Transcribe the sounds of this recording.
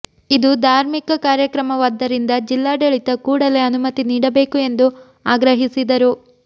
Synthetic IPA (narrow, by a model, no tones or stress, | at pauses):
id̪ud̪ʱaːɾmikɐkaːɾjɐkɾɐmɐʋaːd̪ːɐɾind̪ɐd͡ʒilːaːɖɐɭit̪ɐkuːɽɐle̞ɐnumɐt̪iniːɽɐbe̞ːkue̞nd̪u | aːɡɾɐɦisid̪ɐɾu